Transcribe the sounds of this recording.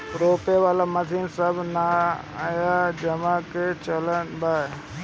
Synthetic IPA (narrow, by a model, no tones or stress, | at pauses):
ɾoːpeʋaːlamɐziːnsɐbʱna | jad͡ʑɐmaket͡ɕɐlənbaː